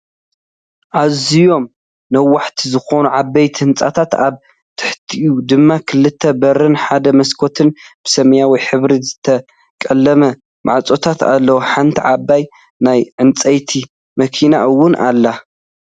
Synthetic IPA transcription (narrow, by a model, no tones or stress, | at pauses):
ʔazijo̞m | nɐwːaħt̪ʰizɨxo̞nuʕabːɐjt̪ʰhɨnt͡sʼa̰t̪ʰat̪aβ | t̪ʰɨ̥ħt̪ʰiʔjud̪ɨmːakʰɨlːɨt̪ʰːɐbɐɾɨnħad̪ɐmɐskʰo̞t̪ʰɨnb̥ɨsɐmjawiħɨβɾizɨt̪ʰɐ | kʼɐlːɐmɐ | ma̰ʕt͡sʼo̞t̪ʰat̪a̰lːɐwoħant̪ʰiʕabːaj | najʕɨnt͡sʼɐjt̪ʰi | mɐkʰinaʔɨwːʊnʔalːa